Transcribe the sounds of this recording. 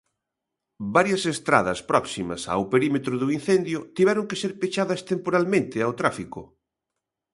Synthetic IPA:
baɾjɐsest̪ɾa̰ðɐspɾɔksimɐ̰sa̰wpeɾimet̪ɾʊðʊin̟θend̪jʊt̪iβɛɾoŋkeseɾpet͡ʃaðɐst̪empoɾalmẽnt̪ɪawt̪ɾafikʊ

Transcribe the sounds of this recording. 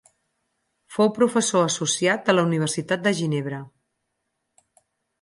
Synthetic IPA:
fowpɾufəsoəsusiat̪̚d̪ələuniβ̞ərsit̪at̪̚d̪əʒineβ̞ɾə

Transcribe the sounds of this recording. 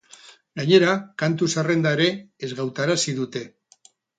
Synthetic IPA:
ɡaɲe̞ɾakant̪usare̞nd̪aeɾe̞ːzɣawt̪aɾasiðut̪e̞

